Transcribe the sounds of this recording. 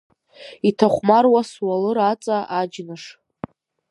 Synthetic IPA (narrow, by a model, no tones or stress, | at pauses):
itʰaχʷmarwaswalɨɾat͡sʼaʔad͡ʒnaʂ